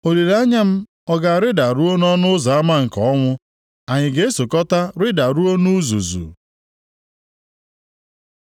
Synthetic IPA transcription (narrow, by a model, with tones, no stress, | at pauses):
o˨de˨ɾa˦ɲa˦m̩˦ | ɔ˦ɡa˨a˨ɾɪ˦da˨ɾu˦o˦n˦ɔ˦nʊ˦za˨a˦ma˦ŋ̩˨kɔ˨˦ŋʷʊ˦ | a˨ɲɪ˨ɡe˨e˦so˨kɔ˦ta˦ɾɪ˦da˨ɾu˦o˦nu˦zṵ˨zṵ˨